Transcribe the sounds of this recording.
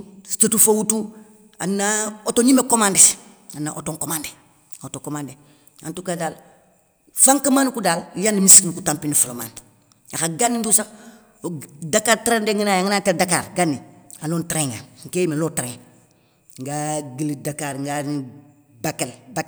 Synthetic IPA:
statufowutu | a̰nːaotoɲimekomandes | anːa̰ʔotoŋkomande | otokomaːnde | a̰ntukadaːl | faŋkamaːnkudaːljandimiskinkutampinifuloma̰ːn | axaɡanːindusa | dakaːɾtɾendeŋinaːjaŋinaːtedakaːɾɡanːialoːntɾeŋŋɡaŋ̩keːjimeloːtɾeŋ | ŋɡaɡilidakaɾŋɡa | bakelbak

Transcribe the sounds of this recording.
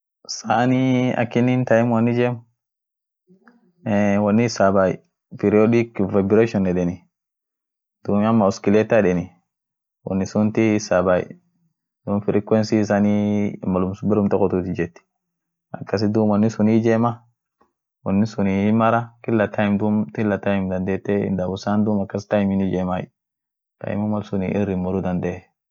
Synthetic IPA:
saniɐ̰kːɪnːint̪ajɪmwɐnːɪd͡ʒeːm | ɛwɐnːɪɪsabaj̰ | pɛɾɪɔdɪkvabɪɾeʃɔnɛᶑɛnɪ | d̪̥uːmɐmːɐɔskɪlet̪aɛᶑɛnɪ | wɐ̰nːɪsʊnt̪ɪːsabaj̰ | d̪uːmfɪɾɪkwɛnsis̬animːɐlʊmsbɛɾʊmt̪ɔkːɔt̪ut̪ɪd͡ʒɛt̪ːi̥ | ɐ̰kːɐs̬ɪd̪uːmɔnːɪsʊnid͡ʒema | wɔnːisʊnimɐɾakɪlːat̪ʰajɪmd̪umt̪ɪlːat̪ajɪmd̪ɐnd̪et̪ːeɪ̰nd̪abʊsand̪uːmɐkːɐstajmɪnid͡ʒemaj | ka̰jɪ̰mumalsʊnḭʔɪ̰ɾɪmːɔɾud̪ɐnd̪e

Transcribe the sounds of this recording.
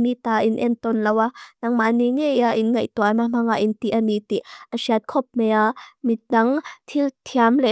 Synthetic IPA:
nit̪aʔinʔɛnt̪ɔnlɐwanaŋmaniŋɛjaʔinŋɐjt̪uamam̥aŋaʔint̪iʔanit̪iʔʔasiat̪̚kʰɔp̚mɛjamit̪̚dɐŋt̪ʰilt̪ʰiamlɛ

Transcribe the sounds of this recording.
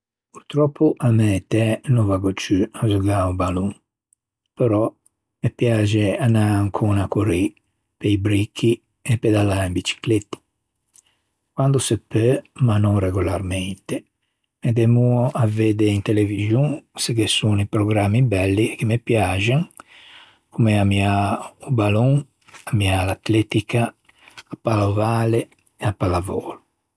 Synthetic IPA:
puɾt̪ɾɔpʰːuʔamɛt̪ɛnuvaɡot͡ʃyazuɡaubaluŋ | pɛɾɔ | mepjad͡ʒeanaːŋkʰunakoɾi | peibɾikʰːi | ɛpːɛd̪alːaimbit͡ʃi̥klet̪ːi̥ | kwand̪osepːømanɔŋrɛɡulaɾment̪e | med̪ɛmuoʔaveːd̪eint̪eleviʒjũŋsekesunipɾɔɡɾamːibɛlːik̟emepjad͡ʒaŋ | kumeamiaubalɔŋ | amialat̪lɛt̪ikʰaː | pːalovaːle | ɛapːalavɔːlu

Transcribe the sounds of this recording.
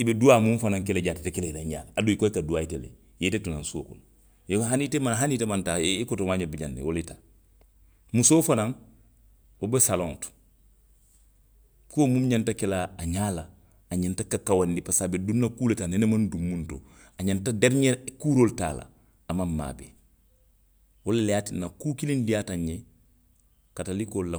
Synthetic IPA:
ibeduaːmũmfanãŋk̬eleɟatetekeleilaɲa̰ːladuikojkaduaitelḛ | jetetunãnso̰ːko̰l | jeɦanitemanɦanitemantaikotomaɲabiɟanːḭwoletaː | musoːfanaŋ | obesalõŋtu̥ | kuomumɲantakɛlaːɲaːlaː | ɲantakakawandipasabedunːakuːletanenemandumːunto̰ | aɲantadeɾɲeɾkuːɾolta̰ːla̰ː | mamːa̰ːbḛ | wolelejaːtinːakukilindijataɲːe | katalikolla

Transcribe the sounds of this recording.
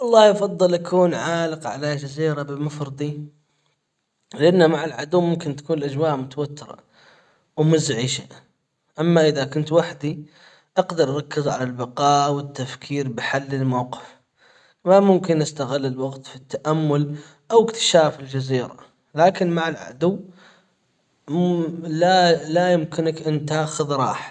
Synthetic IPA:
ʔɑlˤːɑːhjɑfɑðˤːɨlʔakuːnʕaːlɪqʕa̰lad͡ʒaziːɾabɪmafɾɨd̪ˤi | lɪʔanːamaʕɪlʕad̪uːmːʊmkɪnt̪ḁkuːnlʔad͡ʒwaːʔmʊt̪awat̪ːɪɾˤɑ̰ | wmʊzʕiʃa | ʔamːaʔɪðakʊnt̪waħd̪i | ʔɑɡd̪ɑɾˤʔɑɾˤɑkːɪzʕalalbɑqɑːʔwɪt̪ːafkʰiːɾbɪħalːɪlmawqɪ̥f | mamʊmkɪnʔɪst̪aɣɪlːɪlwaɡt̪fit̪ːaʔamːʊl | ʔawɪkt̪ɪ̥ʃaːfɪld͡ʒaziːɾa̰ | laːkɪnmaʕɪlʕa̰d̪ʊwː | lalajʊmkɪnakʔɪnt̪aːxɪðɾˤɑ̰ːħ

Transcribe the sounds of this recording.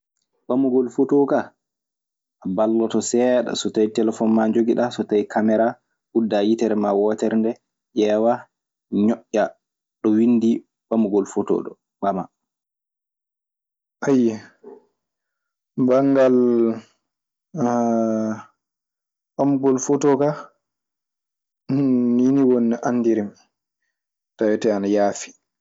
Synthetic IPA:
ɓamuɡɔlfotoka | abalːɔtɔsɛɗa̰sɔtajtɛlɛfɔnmaɲd͡ʒoɡiɗasɔtajkʰamɛɾa | ʔudːajitɛɾɛmawɔtɛɾndɛ | ʔɛwa | ɲɔʔːa | ɗɔwinːdi | ɓamuɡɔlfotɔ̰ːɗɔ | ɓama | ʔajɛ | baŋɡal | ɓamuɡɔlfotɔka | niniwonːɛʔanːdiɾim | tawɛtɛanajaːfi̥

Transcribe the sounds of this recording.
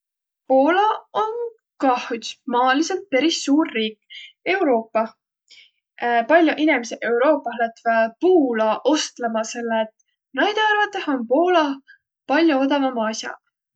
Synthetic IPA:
po̞ːlɑon | kɑhumɑːliselt̪̚peɾisːuːrːiːke̞wɾo̞ːpːɑ | pɑlʲjuʔinemseʔe̞wɾo̞ːpːˑɑɦlet̪ːvɑpuːlɑʔo̞st̪lemɑse̞lːeːt̪ | næjd̪̥ɑɑɾrvɑt̪ːˑeho̞npo̞ːlɑ | pɑlʲjuod̪ɑvɑmɑsʲjɑ̰

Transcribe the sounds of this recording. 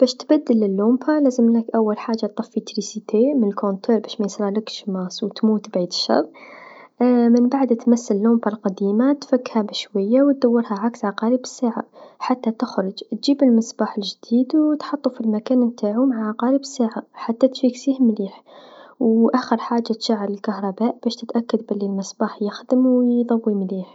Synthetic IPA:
b̥æːʃt̪bæd̪ːɪlːɪlːompʰalæːzəmləkʔawːalħaːʒːat̪ˤːɑfːit̪ɾisit̪emɪnəlkont̪ʰoːɾbæːʃmæjsˤɾˤɑlɪkʃmɑsˤwt̪muːt̪bʕiːd̪ʃːɑ̰ɾˤ | mɪnbaʕd̪t̪masːalːompalqad̪iːmat̪fakːhabɪʃwajːawt̪̚d̪awːɑɾhaʕaksʕɑqɑːɾibɪsːaːʕa̰ħat̪ːat̪ɪxɾˤʊd͡ʒt̪ʒiːbəlməsbaːħəlʒd̪iːd̪wt̪ħɑt̪ˤːufilmækæːnmt̪aːʕumaʕʕɑqɑːɾibəsːaːʕaħat̪ːat̪fiksiːhmliːħwʔæːxəɾħaːʒːat̪ʃaʕːəɾlɪlkahɾˤɑbaːʔb̥æʃt̪ət̪ʔækːad̪̚bɪlːilmɪsbaːħjɪxd̪əmwjd̪ˤɑwːimliːħ

